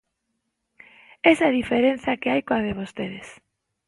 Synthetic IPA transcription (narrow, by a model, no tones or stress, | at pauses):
esaðifeɾen̟θakeajkoaðeβ̞ost̪eðes